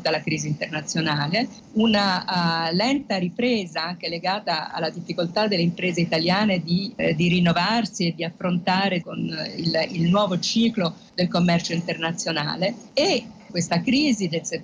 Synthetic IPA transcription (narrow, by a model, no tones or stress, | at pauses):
d̪alːakɾiːzint̪ernat̪sːjonaːle | unalɛnt̪aɾipɾeːzaaŋk̟eleɡaːt̪aa̰lːad̪ifːikolt̪ad̪elːeimpɾeːzeit̪aljaːned̪id̪iɾinːovarsied̪iafːɾont̪aːɾekonililnwɔːvot͡ʃiːklo | d̪elkomːɛrt͡ʃoint̪ernat̪sːjona̰ːleekːwest̪akɾiːzid̪else